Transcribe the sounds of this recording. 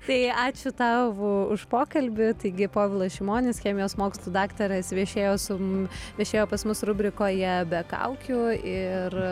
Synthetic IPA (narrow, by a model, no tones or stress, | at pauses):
t̪ɐɪɑːt͡ʃʲʊt̪ɑːʋʊʊʃpoːkɐlʲbʲɪt̪ɐɪɡʲɪpoːʋʲɪlˠɐsʃʲɪmoːnʲɪsxʲeɛmʲɪjoːsmoːkslˠuːd̪ɑːkt̪ɐɾɐsʋʲiɛʃʲeːjoːsʊʋʲiɛʃʲeːjoːpɐsmʊsrʊbʲɾʲɪkoːjɛbʲɛkɐ̰ʊkʲʊɪr